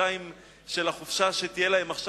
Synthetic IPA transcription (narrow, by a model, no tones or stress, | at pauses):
aim | ʃe̞laχufʃaʃet̪ijelaɦe̞maχʃ